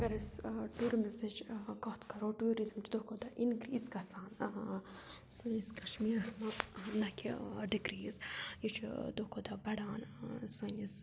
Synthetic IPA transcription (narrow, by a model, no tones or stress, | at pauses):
ɐɡɐɾɐsʈuːɾmisɐt͡ʃkɔt̪kɐɾoʈuːɾizmt͡ʃd̪okod̪aʔinɡɾiːskɐsaːn | sɐniskɐʃmiːɾɐsmɐnɐkʲiɖiɡɾiːzjit͡ʃʰd̪oːkod̪ɐbɐɽaːnsɐnis